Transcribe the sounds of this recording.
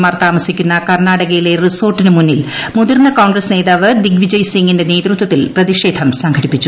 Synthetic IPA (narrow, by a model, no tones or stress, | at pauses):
maːrt̪aːmɐsikʲːunːɐkɐrnaːɽɐɣɐjile̞riso̞ːrʈːinɨmunːil | muðurnɐkoːɳɡrɐsne̞ːðaːʋɨd̪iɡʋid͡ʑɐjsiŋɡinde̞ne̞ːd̪rut̪wɐt̪ːilprɐðiʂe̞ːd̪ʰʱɐmsɐŋɡʰʱɐɽipːit͡ɕːu